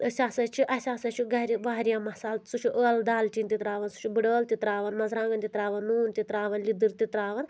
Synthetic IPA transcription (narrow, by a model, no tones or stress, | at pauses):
əsʲaːsɐt͡ʃʰiʔɐsʲaːsɐt͡ʃʰiɡɐɾʲiʋaːɦɾijamɐsaːlsut͡ʃʰuʔəːld̪aːltiːnt̪it̪ɾaːʋɐnsu̥t͡ʃʰubɨɖəːlt̪it̪ɾaːʋɐnmɐzɾãːŋɡɐnt̪it̪ɾaːʋɐnːuːnt̪it̪ɾaːʋɐnlid̪ɨɾt̪it̪ɾaːʋɐn